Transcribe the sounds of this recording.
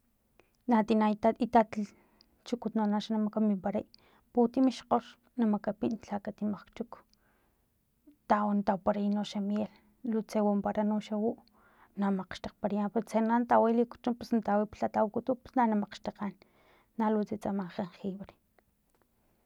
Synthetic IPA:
nat̪inait̪ait̪at̪ | t͡ʃukut̪nonaʃanamakamimpaɾa̰j | put̪imiʃqoʃ | namakapiʔnɬakat̪imaχkt͡ʃuk | t̪awant̪awpaɾainoʃamjel | lut͡sewampaɾanuʃawuʔ | namaqʃt̪aqpaɾajampeɾt͡senant̪aweliku̥t͡ʃumpusnt̪aweipɬat̪awkut̪upu̥snanamaqʃt̪aqanː | aluʔt͡set͡samaqenxiβɾe̥

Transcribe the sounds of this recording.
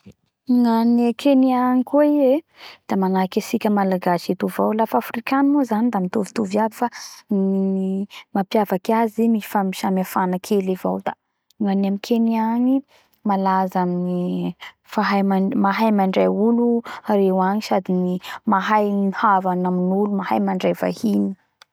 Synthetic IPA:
ŋanekʰeniaŋikueie | d̪̥amanakesikʲəmalaɡaʃit̪uvawlafafrikanmozanid̪amit̪uvit̪uviad̪ifa | mapjavakazimifamiʃamiafanakʰeleva̰wd̪a | ŋanamikʰeniaɲi | malazamini | faɦajmamaɦajmaɳɖ͡ʐajulurewaɲisad̪inimaɦajnihavanaminulumahajmaɳɖ͡ʐajva̰hini̥

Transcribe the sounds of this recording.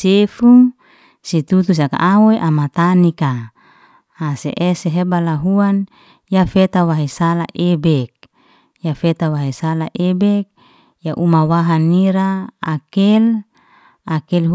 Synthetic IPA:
sefuŋ | sit̪ut̪us̬aka̰ʔawojʔamat̪anikaː | sḛʔeseɦebalaɦuan | jafet̪awaɦesala̰ʔebɛk̚ | jafet̪awaɦesalaʔebɛk̚ | jaʔumawaɦaniɾaːkɛl | akɛlɦ

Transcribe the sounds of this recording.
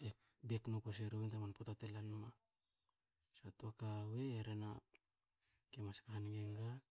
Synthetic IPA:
e | beknopos̬eɾowentamanpotatelanma | satuakaweːɾena | kemaskahanɡeŋɡa

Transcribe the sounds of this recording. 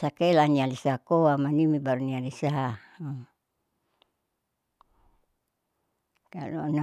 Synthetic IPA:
sakelanialisakoamanimibaɾunialisa | ka̰lo̰na

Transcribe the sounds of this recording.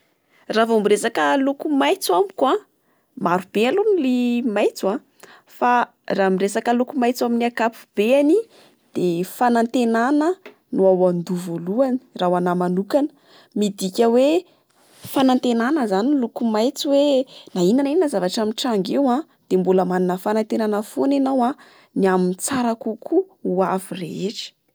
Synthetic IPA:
ravombiresakəlukumajt͡samikua | maɾub̥ealonulimajt͡suã | fa | ramiresakəlukumajt͡saminiakapu̥b̥eani | d̪̥efanant̪enanə | nuawand̪uvoluani̥rawanamanukanə̥ | mid̪ikʲəwe | fanant̪enanəzanilukumajt͡siwenainanininazavaʈ͡ʂamiʈ͡ʂaŋɡewa | d̪̥embuləmaninəfanant̪enanəfonenawa | niamint͡saɾakukʰuuavireɦeʈ͡ʂi̥

